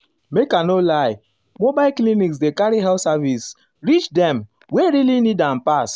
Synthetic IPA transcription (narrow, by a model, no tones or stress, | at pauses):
mekanolaɪ | mobaɪlkliniksdekaɾiɦɛlsavis | ɾit͡ʃdɛ̃m | weɾilinidam̩pas